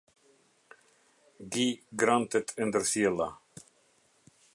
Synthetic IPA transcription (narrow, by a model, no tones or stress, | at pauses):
ɡiːɡɾant̪ət̪ʰʉnd̪əɾsela